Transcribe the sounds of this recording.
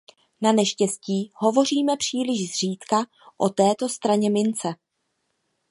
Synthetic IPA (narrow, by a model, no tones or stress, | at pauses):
nanɛʃcɛsciːɦo̞vo̞r̝iːmɛpr̝̥iːlɪʒzr̝iːt̪ka | ʔot̪ɛːt̪o̞st̪ɾaɲɛmɪnt͡sɛ